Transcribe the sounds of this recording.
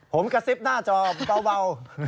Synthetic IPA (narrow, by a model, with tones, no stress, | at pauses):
pʰo˨˦mka˧si˦˥p̚naː˥˩t͡ɕɔː˧˩ba˧wba˧w